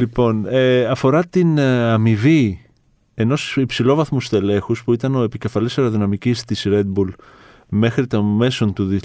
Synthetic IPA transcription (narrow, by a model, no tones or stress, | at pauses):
lipo̞neɐfo̞ɾɐt̪inɐmivi | e̞no̞sipsilo̞vɐθmust̪e̞le̞xuspuit̪ɐno̞epice̞fɐlise̞ɾoðinɐmicist̪isɾe̞d̪̚bul | me̞xɾit̪ome̞so̞nt̪uði